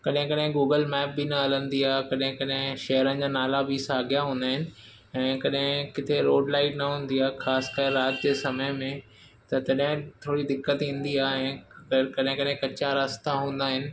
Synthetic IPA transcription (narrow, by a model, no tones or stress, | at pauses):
kɐɗɦɪ̃kɐɗɦɪ̃ɡuːɡəlmɛːp̚binɐɦɐlə̃nd̪iaːkɐɗɦɪ̃kɐɗɦɪ̃ʃɐɦɾənɪ̆d͡ʑaːnaːlabɪsaːɡjaɦũːnd̪aːɦɪnɪ̆ | ɛ̃ːkɐɗɦɪ̃kɪt̪ʰeɾoːɖlaːɪʈnɐɦũːnd̪iaːxaːskaːɾɪɾaːt̪d͡ʑeːsɐməjmẽ | t̪ɐt̪ɐɗɦɪ̃t̪ʰoːɽid̪ɪkːət̪ĩːn̆d̪iaːɛ̃ːkɐɗɦɪ̃kɐɗɦɪ̃kɐt͡ɕaɾast̪ãɦũːn̆d̪aːɦɪnɪ̆